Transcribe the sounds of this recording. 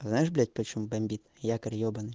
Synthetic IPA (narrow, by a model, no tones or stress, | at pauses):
znajɪʐblʲat̚ʲpɐt͡ɕumubɐmʲbʲit̪jakɐrʲjɔbɐnɨ